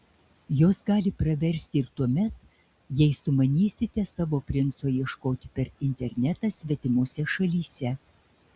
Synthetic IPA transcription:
joːsɡɑːlʲɪpɾɐʋʲɛɾʲsʲt̪ʲɪɾt̪uɔmʲɛt̪ | jɛɪsʊmɐnʲiːsʲɪt̪ʲɛsɑːʋoːpʲɾʲɪnt̪soːjiɛʃkoːt̪ʲɪpʲɛɾɪnʲt̪ʲɛɾʲnʲɛt̪ɑsʲʋʲɛt̪ʲɪmuɔsʲɛʃɐlʲiːsʲɛ

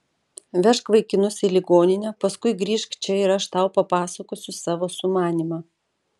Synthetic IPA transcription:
ʋʲɛʃkʋɐɪkʲɪnʊsʲɪlʲɪɡoːnʲɪnʲɛpɐskʊɪɡɾʲiːʃkt͡ʃʲɛɪɾɐʃt̪ɐʊpɐpɑːsɐkoːsʲʊsɑːʋoːsʊmɑːnʲimɑ

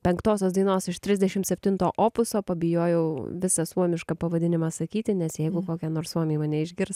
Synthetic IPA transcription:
pʲɛŋkt̪oːsʲoːsd̪ɐɪnoːsɪʃt̪ʲɾʲɪzʲd̪ʲɛʃʲɪmt̪sʲɛpʲt̪ʲɪnt̪oːʔoːpʊsoːpɐbʲɪjoːjɛʊʋʲɪsɐsuɔmʲɪʃkɐpɐʋɐd̪ʲɪnʲɪmɐsɐkʲiːt̪ʲɪnʲɛsjɛɪɡʊkoːkʲɛnoːɾssuɔmʲeːmɐnʲɛɪʒʲɡʲɪɾs

